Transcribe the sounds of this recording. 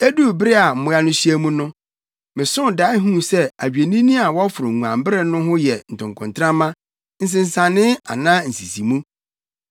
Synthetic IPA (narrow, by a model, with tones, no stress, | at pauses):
e˦du˦˨bɾɪ˦a˨m̩˨mʊ̃˦a˦nʊ̃˦ɕi˦e˦mũ˦nʊ̃˦ | mɪ̃˨sʊ̃˦da˨˦ɪ˦ɦũ˦sɛ˦a˨ɥi˨e˨nĩ˦nĩ˦a˨wɔ˦fʊ˨ɾʊ̃˨ŋũ˨ã̰˨m˦bɪ˦ɾɪ˦˨nʊ̃˦ɦʊ̃˦jɛ˨n̩˨tʰʊ̃˨ŋ˨kʰʊ̃˨ntʰɾã˦mã˦ | n̩˦s̬ɪ̃˨n˨sã˨nɪ̃˦a̰˨nãː˦n̩˨si˨si˨mũ˦